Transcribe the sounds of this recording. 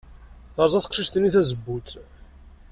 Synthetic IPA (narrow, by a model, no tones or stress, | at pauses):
θəɾˤzˤɑθə̥qʃiʃt̪ənːiθæzəbːut͡s